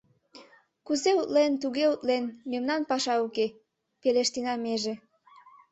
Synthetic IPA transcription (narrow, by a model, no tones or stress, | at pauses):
kuzeut̪lent̪uɣeut̪lenmemnɑnpɑʃɑuke | peleʃt̪inɑmeʒe